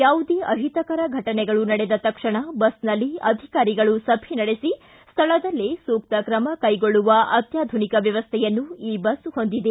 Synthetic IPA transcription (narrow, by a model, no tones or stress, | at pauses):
jaːʋud̪eʔɐɦit̪ɐkɐɾɐɡʱɐʈɐnɛɡɐɭunɐɽɛd̪ɐt̪ɐkʂɐɳɐbɐsnɐlːiɐd̪ʱikaːɾiɡɐɭusɐbʱinɐɽesi | st̪ʰɐɭɐd̪ɐlːisuːkt̪ɐkɾɐmɐkɐjɡoɭːuʋɐʔɐt̪jaːd̪ʱunikɐʋjɐʋɐst̪ʰɛjɐnːuiːbɐsho̞nd̪id̪e